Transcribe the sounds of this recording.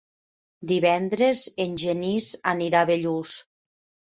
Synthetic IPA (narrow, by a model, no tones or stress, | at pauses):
d̪iβɛnd̪ɾezenʲʒenizaniɾaβeʎus